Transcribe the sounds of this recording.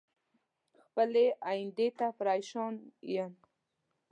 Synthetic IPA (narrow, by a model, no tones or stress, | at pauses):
xpəleʔaind̪et̪afɾajʃɔnḭjan